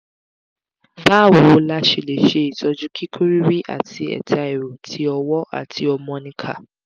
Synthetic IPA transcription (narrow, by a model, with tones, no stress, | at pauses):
ba˦˨wo˧o˧la˦ʃe˨le˨ʃe˧i˨tɔ˧d͡ʒu˦ki˦kʰu˦ɾi˦ɾi˦ʔa̰˦˨tʰi˧ɛ̰˨tʰa˧ɛ˨ɾo˨tʰi˧˦ɔ˧wɔ˦ʔa̰˦˨tʰi˧ɔ˧mɔ̃˧nĩ˧kʰa̰˦˨